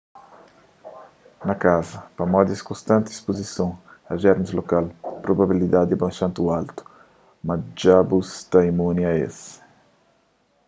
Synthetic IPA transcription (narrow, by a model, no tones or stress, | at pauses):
nɐkazɐpɐmɔd̪ɪskõst̪ɐ̃nt̪ːspozisõŋɐʒɛɾmɪzlokalpɾobabilid̪ad̪ɪbajʃãnt̪ualt̪u̥ | mad͡ʒabust̪ajmuniaḛs